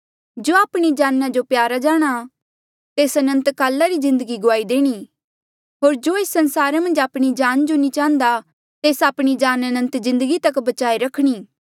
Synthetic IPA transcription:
d͡ʒoːaːpɽ̃id͡ʒaːnːãd͡ʒopjaːɾad͡ʒaːɽ̃a | t̪eːsɐnə̃nt̪kaːlːaɾizɪ̃nd̪əɡiɡʊaːid̪eːɽ̃i | ɦoːɾd͡ʒoːeːsɐ̃nsaːɾemɐ̃nd͡ʒaːpɽ̃id͡ʒaːnd͡ʒonĩt͡ʃãːnd̪a | t̪eːsaːpɽ̃id͡ʒaːnɐnə̃nt̪zɪ̃nd̪əɡit̪ɐkbɐt͡ʃaːiɾɐkʰɽ̃iː

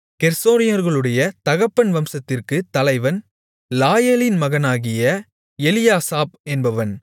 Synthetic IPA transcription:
kɛɾsoːnɪjɐɾɣɐɭɯɽɐjɐt̪ɐɣɐpːɐnʋɐmsɐt̪ːɪrkɯt̪ːɐlɐɪʋɐn | laːjɐlɪnmɐɣɐnaːɣɪjɐ | ɛlɪjaːsaːp̚ɛnbɐʋɐn

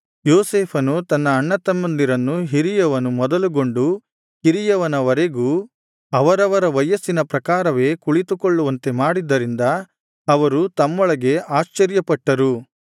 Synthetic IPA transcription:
joːseːpʰɐnut̪ɐnːɐːɳːɐt̪ɐmːɐnd̪iɾɐnːuɦiɾijɐʋɐnumɔd̪ɐluɡo̞ɳɖu | hiɾijɐʋɐnɐʋɐɾe̞ɡuː | ɐʋɐɾɐʋɐɾɐʋɐjɐsːinɐpɾɐkaːɾɐʋe̞ːkuɭit̪ukoɭːuʋɐnt̪e̞maːɽid̪ːɐɾind̪ɐ | ɐʋɐɾut̪ɐmːɔɭɐɡe̞ʔaːʃt͡ʃɐɾjɐpɐʈːɐɾu

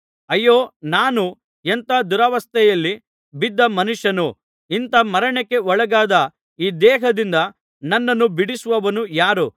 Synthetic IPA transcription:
ɐjːoːnaːnu | ent̪aːd̪uɾɐʋɐst̪ʰɛjɐlːi | bid̪ːɐmɐnuʂjɐnu | int̪ɐmɐɾɐɳekːe̞ɔɭɐɡaːd̪ɐ | iːd̪ɛːɦɐd̪ind̪ɐ | nɐnːɐnːubiɽisʋɐʋɐnujaːɾu

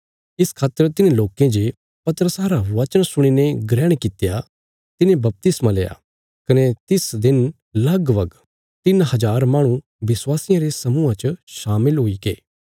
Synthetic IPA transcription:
ɪskʰaːt̪ːəɾt̪ɪnẽloːkẽd͡ʒe | pɐt̪ɾəsaːɾaʋɐt͡ʃəɽ̃sʊɽ̃ineɡɾɛːɽ̃kɪt̪ja | t̪ɪnẽbɐp̚t̪ɪsmãleːa̰ː | kɐnet̪ɪsd̪ɪn | lɐɡbɐɡ | t̪ɪnɦɐd͡ʒaːɾmaːɽ̃ũ | ʋɪswaːsɪjãɾesɐmuãt͡ʃəʃaːmɪlɦʊikḛː

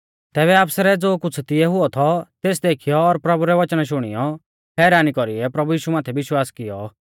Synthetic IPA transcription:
t̪ɛːβɛaːpsɾɛd͡zoːkʊt͡sʰt̪ɪɛɦʊɔt̪ʰɔt̪eːsd̪eːkʰɪjɔːɾpɾɐbuɾɛʋɐt͡ʃñaʃ̬ʊɽ̃ɪjɔ | ɦɛːɾaːnikɔɾiɛpɾɐbujiːʃumaːt̪ʰɛʋɪʃwaːskɪjɔ

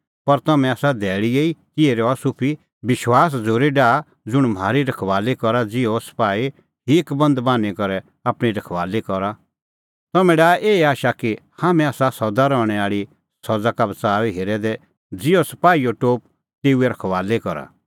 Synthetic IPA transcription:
pɐɾt̪ɐmɛ̃aːsad̪ʱɛːɭieːikɪeɾɔasʊpʰi | bɪʃwaːs̬d͡zoːɾiɖaː | d͡zʊɽ̃m̤ʱaːɾiɾɐkʰʋaːlekɔɾad͡zɪɔsɐ̥paːi | ɦikbɐ̃nd̪baːnikɔɾɛ | aːpɽ̃iɾɐkʰʋaːlekɔɾa | t̪ɐmɛ̃ɖaːʔeːaːʃakihaːmɛ̃aːsasɔd̪aɾɔːɽ̃ɛaːɭi | sɔd͡zakabɐt͡saːʋiɦeːɾɛd̪ɛ | d͡zɪjɔsɐ̥paːioʈoːp̚ | t̪eːuɛɾɐkʰʋaːlekɔɾa̰

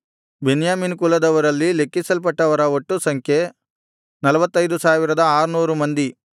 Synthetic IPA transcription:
benjaːminkulɐd̪ɐʋɐɾɐlːile̞kːisɐlp̬ɐʈːɐʋɐɾɐoʈːusɐŋkʰje̞ | nɐlɐʋɐt̪ːɐjd̪usaːʋiɾɐd̪ɐaːɾunuːɾumɐnd̪i

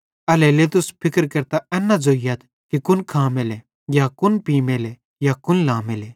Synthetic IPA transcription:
ɐlɛleːt̪ʊspʰɪkəɾkɐɾt̪aɛːnːad͡zoːɪjat̪ʰ | kikʊnkʰaːmelɛ | jakʊnpiːmele | jakʊnlaːmelɛː

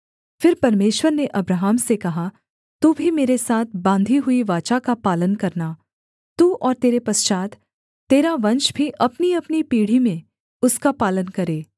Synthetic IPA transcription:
fɪɾpɐɾmeːʃwəɾneʔɐbɾaːɦaːmsekɐɦa | t̪uːbʱimeːɾesaːt̪̚ʰbãːnd̪ʱiɦʊiʋaːt͡ʃakapaːlənkɐɾnaː | t̪uːʔɔːɾt̪eːɾepɐst͡ʃaːt̪ | t̪ːeːɾaʋɐ̃nʃbʱiʔɐpniɐpnipiːɽ̤imẽ | ʊskapaːlənkɐɾeː

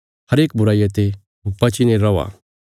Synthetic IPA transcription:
hɐɾeːk̚bʊɾaːijat̪e | bɐt͡ʃineɾɐʋa̰

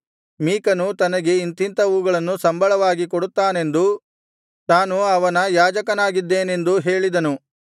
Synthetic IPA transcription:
miːkɐnut̪ɐnɐɡe̞int̪int̪ɐuːɡɐɭɐnːusɐmbɐɭɐʋaːɡikoɽut̪ːaːne̞nd̪u | t̪aːnuɐʋɐnɐjaːd͡ʒɐkɐnaːɡid̪ːeːne̞nd̪uɦeːɭid̪ɐnu

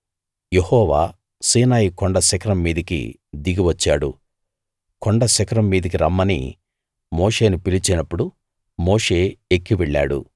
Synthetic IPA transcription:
je̞hɔːʋaː | siːnaːjikɔɳɖɐsɐkɐɾɐmːiːd̪ɐkḭ | d̪iɡiʋɐt͡ʃːa̰ːɽṵ | koɳɖɐsɐkɐɾɐmːiːd̪ɐk̬iɾɐmːɐnḭ | mo̞ːʂe̞ːnupilit͡ʃinɐpːuɽu | mo̞ːʂe̞ːekːiʋeɭːa̰ːɽṵ

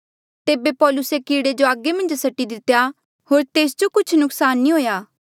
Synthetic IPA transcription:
t̪eːbepɔːlʊsekiːɽed͡ʒoaːɡːemɐ̃nd͡ʒsɐʈːid̪ɪt̪ːja | ɦoːɾt̪eːsd͡ʒokʊt͡ʃʰnʊksaːnːĩɦoːjaː

